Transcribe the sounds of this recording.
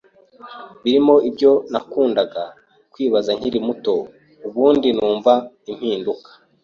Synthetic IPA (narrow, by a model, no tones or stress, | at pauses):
βiɾimo̞ibɟo̞nakuːndaɡa | kwiːβazaɲ̥hiɾimuto̞ | uβuːndinuːɱva | im̥hiːndukḁ